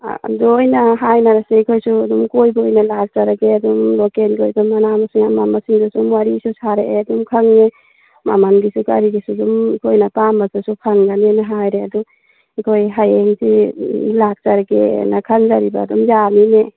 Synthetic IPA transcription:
dojnaɦajnaɾaseikʰojsuadumkojbojnalak̚t͡ʃaɾaɡeadumlɔkenɡojbamanamasiŋamamasiŋzasumwaɾisusʰaɾeʔadumkʰaŋne | ma̰manɡisukaɾiɡisudumkʰojnapambasasukʰaŋɡanenaɦajɾeadu | ikʰojɦajeŋsilak̚t͡ʃaɾaɡḛnakʰaŋzaɾiba̰ːdumzamine

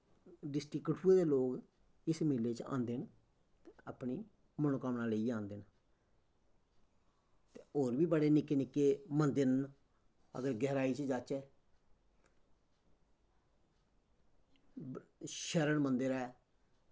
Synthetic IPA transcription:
ɖɪsʈiːkːəʈʰuːeːd̪eːloːɡ | ɪsmɪlːeːt͡ʃã̰ːnd̪en | t̪ːəːpɳiː | mənokəmnaːleiːd͡ʒãːnd̪en | t̪eoːɾbiːbəɽeːnɪkːeːnɪkːeːmənd̪əɾn | ə̰ɡəɾɡɛːɾaːiːt͡ʃd͡ʒaːt͡ʃɛː | ʃəɾəɳmənd̪əɾɛː

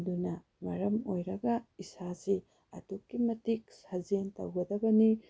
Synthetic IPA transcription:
dunɐ | mɐɾɐmojɾɐɡɐisasi | ɐ̰tukːimɐtik̚sɐzentɐ̰wɡɐdɐbɐni

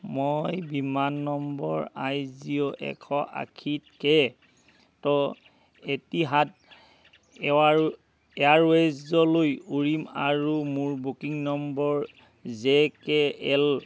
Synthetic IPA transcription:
mojbimanːɔmbɔ̰ɹajzioʔɛ̰kʰɔʔa̰kʰit̚kɛ | tɔ | etiɦat | ɛwaɹ | ɛaɹwɛzzɔlojuɹimaɹumuɹbukiŋnɔmbɔɹ | zekɛɛl

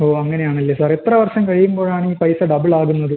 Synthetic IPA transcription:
oːɐŋːɐne̞jaːɳilːesaːret̪rɐʋɐrʂɐmkɐɻijumbo̞ːɻaːɳiːpɐjsɐɖɐbɨɭaːɣunːɐðɨ

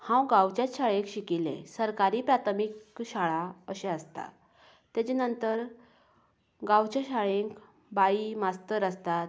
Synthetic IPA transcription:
hãwɡãwt͡ɕjat̪ɕaɭẽkɕikilḛ̃səɾkaɾiːpɾat̪ʰmikɕaɭaəɕeəst̪a̰ | t̪jat͡ɕenənt̪əɾ | ɡãwt͡ɕaɕaɭeŋk | baimast̪əɾast̪at̪

